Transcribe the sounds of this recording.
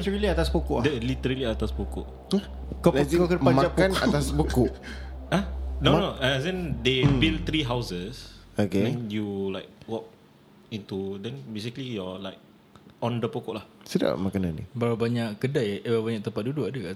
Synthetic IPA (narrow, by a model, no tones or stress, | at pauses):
t̪əɹəliat̪aspukʊʔdəlit̪əɾəliat̪aspukʊʔ | kəlɛiɡokəpaad͡ʒapannat̪aspukʊʔanonoazɛ̃ndebilt̪ɾiɦawsəsokeɛ̃njulaɪk̚wɔk̚ | ĩnt̪udɛnbes̬ikəlijɔlaɪk̚ | ɔ̃ndəpokɔʔlah | səda̰ʔmakanãnːḭbaɾabaɲaʔkədajababaɲak̚t̪əmpat̪̚duduadəka